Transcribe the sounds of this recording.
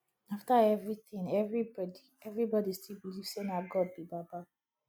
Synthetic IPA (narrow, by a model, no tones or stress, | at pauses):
aftaɛvɹitĩnɛvɹibɔdi | ɛvɹibɔdistʰilbiliv̥senaɡɔd̚bibaba